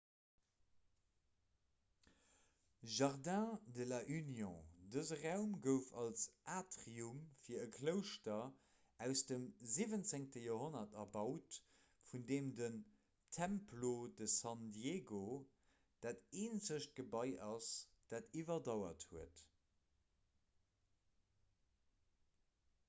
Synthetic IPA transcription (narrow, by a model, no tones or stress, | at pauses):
ʒɑʁdɛ̃dəlɐʔynjɔ̃dəzəʁæʊmɡəʊfɑlsʔaːtʁiumfiːɐəkʰləʊʃtɐ | æʊsd̥əmzivənt͡seŋtəjoːɦonɐtɐbɑʊt | fundeːmdən | tʰæmplodəsɑndjeːɡo | d̥aːteːnzəʃt̚ɡ̥əbɑɪʔɑsd̥aːtivɐdɑʊɐthuət